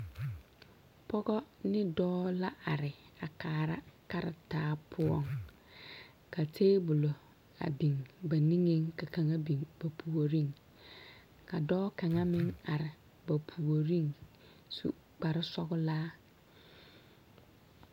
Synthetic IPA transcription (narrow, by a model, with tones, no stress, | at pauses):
pɔ˦ɡɔ˦nɪ˦dɔː˦la˦ʔa˨ɾɪ˨a˨kaː˨ɾa̰˦ka˦ɾɪ˨taː˦pʰʊ˦ɔ̰˦˨ŋ | ka˨tʰeː˦bʊ˨lo˨ | a̰˨bi˨ŋba˨ni˦ŋe˦ŋka˨ka˨ŋa˦bi˨ŋba˨pʰu˨o˨ɾi˦ŋ | ka˨dɔː˦ka˨ŋa˦mɪ˦ŋa˨ɾɪ˨ | ba˨pʰu˨o˨ɾi˦ŋ | sṵ˨ | k͡pa˨ɾɪ˦sɔ˦ɡʊ˦laː˦